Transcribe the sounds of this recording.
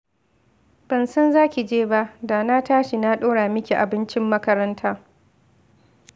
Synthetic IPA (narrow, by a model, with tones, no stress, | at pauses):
b̥ɐ˨nsɐ˦nzaː˦kʲi˨d͡ʒeː˦ba˦ʔdaː˨na˦taː˦ʃi˨na˦ɗoː˦ɽaː˨mɪ˦kʲi˨ʔa˨bɪ˦nt͡ʃɪ˦mːɐ˦kɐ˦ɾɐ˦ntʰaː˦